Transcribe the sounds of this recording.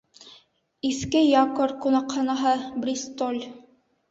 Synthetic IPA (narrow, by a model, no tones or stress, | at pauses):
iskɘjɑkoɾkunɑqhɑnɑɦɤbɾʲist̪olʲ